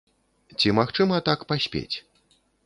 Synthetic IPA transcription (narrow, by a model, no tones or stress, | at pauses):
t͡sʲimaxt͡ʂɨmɐt̪akpasʲpʲḛt͡sʲ